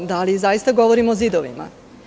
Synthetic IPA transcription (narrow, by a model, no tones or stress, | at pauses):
d̪alizajist̪aɡo̞ʋoɾimoːzid̪oʋḭma̰